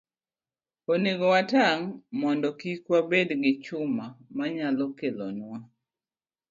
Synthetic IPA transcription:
oneɡɔwataŋmɔndɔkikwabedɡɪt͡ʃʊmamaɲalɔkelɔnwa

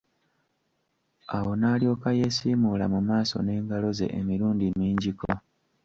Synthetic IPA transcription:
awo̞naːljo̞ːkaje̞siːmulamumaːso̞̰ne̞ːŋɡalo̞ze̞̰ʔemiɾuːndiniːɲɟiko̞

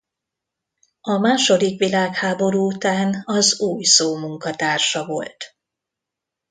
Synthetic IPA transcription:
ɒmaːʃo̞d̪ikʋilaːkhaːbo̞ɾuːut̪aːnɒzuːjsoːmuŋkɒt̪aːrʃɒvo̞̰lt̪

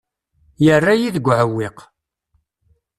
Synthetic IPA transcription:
jərːajiðəɡʷʕəwːiq

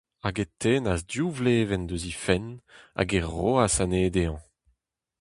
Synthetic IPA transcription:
aɡet̪eːnazdjuvleːvɛnd̪øzifɛna̰ɡɛʁoasaneːd̪eɑ̃

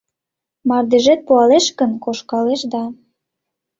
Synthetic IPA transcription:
mɑrd̪eʒet̪̚puɑleʃkə̆nkoʃkɑleʃd̪ɑ

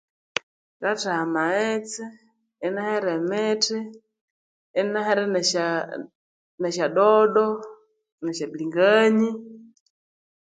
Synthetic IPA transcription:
kataamaɛt͡sɛː | nahɛɾɛmɛtɛ | naɦɛɾɛɛ | nɛʃaɗɔɗɔ | naʃabliŋɡaɲi

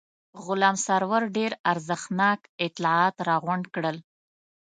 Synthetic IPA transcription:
ɣʊlɑmsaɾwaɾɖeɾaɾzəxnɑkɪt̪lɑɑt̪ɾɑɣʊɳɖkɽəl

